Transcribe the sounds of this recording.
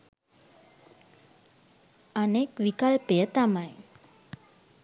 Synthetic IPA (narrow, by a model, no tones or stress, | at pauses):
anekʋikalpejət̪amaj